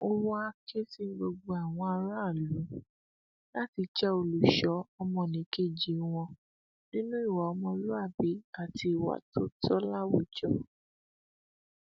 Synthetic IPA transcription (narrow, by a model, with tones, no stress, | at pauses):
o˧wɔ˦a˧kʰe˦ti˦˨ɡ͡bo˧ɡ͡bo˧a˨w̃ɔ̃˧a˧ɾa˦˨lũ˨˦ | la˦ti˧t͡ʃɛ˦o˧lu˨ʃɔ˨˦ɔ˧mɔ̃˧˨nĩ˨˦ke˦˨d͡ʒi˨˦w̃ɔ̃˧ | nĩ˦nũ˦i˦˨wa˨ɔ˧mɔ̃˧˦lu˦a˦˨bi˨˦a˦˨ti˧i˨wa̰˨tʰo˦tʰɔ˦la˦wo˦˨d͡ʒɔ˦